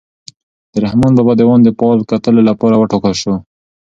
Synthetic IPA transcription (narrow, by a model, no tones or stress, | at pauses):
d̪̥əɾahmonbabad̪əwɑnd̪əpɑlkat̪əlolapɑɾawəʈokalʃo